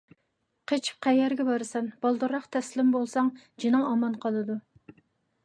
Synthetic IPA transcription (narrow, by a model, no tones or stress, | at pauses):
qʰət͡ʃʰp̚qʰæjɛɾɡʲɛbɑɾɨsɛnb̥ɑlˠd̪ɨɾɑχt̪ʰɛslɪmbolˠsɑŋ | d͡ʒinɨŋɑmɑnqʰɑlˠɨd̪u